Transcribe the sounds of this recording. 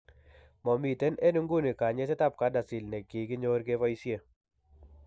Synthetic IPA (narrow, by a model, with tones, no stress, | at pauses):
mɔ˨mi˨te˦ne˦nu˦ŋɡu˦ni˨ka˨ɲe˦sɪ˦ta˦p̚ka˨˦da˨si˨lnɛ˨ki˨˦ɡɪ˦ɲo˦ɾɡe˦vɔ˦i˦sje˦